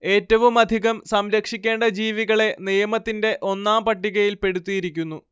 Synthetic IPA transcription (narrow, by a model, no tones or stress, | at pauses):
e̞ːtːɐʋumɐd̪ʱiɣɐmsɐmɾɐkʂikʲːe̞ːɳɖɐd͡ʑiːʋiɣɐɭe̞nijɐmɐt̪ːinde̞ʔo̞nːaːmpɐʈːiɣɐjilpe̞ɽut̪ːijiɾikʲːunːu